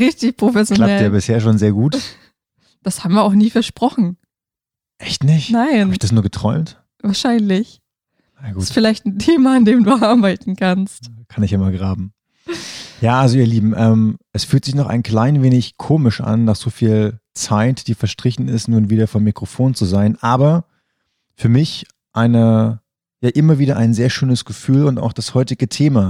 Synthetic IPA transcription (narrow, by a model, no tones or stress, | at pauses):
ʁɪçtɪçpʁ̥ofɛsjolnaɛjaːbɪsheːɐʃ̬oːnzeːɐɡuːt | d̥ashaːbm̩viːɐʔaʊxniːfɛɐʃpʁ̥ɔχn̩ | ʔɛçtnɪçthnaɪabɪçd̥asnuːɐɡətʁ̥ɔʏmt | vaːɐʃaɪnlɪç | jaɡuɪːsfɪlaɪçtn̩tʰeːmaandeːmduːʔaɐbaɪtn̩kʰanstkʰanɪçaɪmalɡʁaːbm̩ | jaːʔalzoiːɐliːbm̩ʔɛːmʔɛsfyːltz̥ɪçnɔχa̰ɪnkl̥aɪnveːnɪçkʰoːmɪʃʔa̰nːaːz̥oːfiːlt͡saɪtd̥iːfɛɐʃtʁ̥ɪçn̩ɪstnuːnviːdɐfɔmːikʁ̥ofoːnt͡suzaɪnʔaːbɐ | fyːɐmɪç | ʔaɪnə | jaːʔɪmɐviːɾɐʔaɪnzeːɐʃøːnəsɡ̥əfyːlʊnta̰ʊxd̥ashɔʏtɪɡətʰeːmaː